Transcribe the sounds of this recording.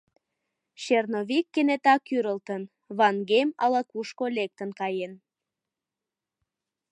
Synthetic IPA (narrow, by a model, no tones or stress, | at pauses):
ɕernoβikːenet̪ɑkyɾəlt̪ən | βɑnɡemɑlɑkuʃkolek̚t̪ənkɑjen